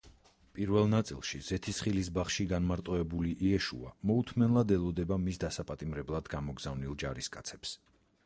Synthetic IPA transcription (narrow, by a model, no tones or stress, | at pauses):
pʼiɾvɛlˠnat̪sʼḭlˠʃiz̥ɛt̪ʰisχilis̬baχʃiɡanmaɾt̪ʼɔɛbuliʔiɛʃṵa̰mɔut̪ʰmɛnlˠad̪ɛlˠɔd̪ɛbamisd̪asapʼat̪ʼimɾɛblˠad̪ɡamɔɡz̥avnilˠd͡ʒaɾiskʼat̪sʰɛ̥ps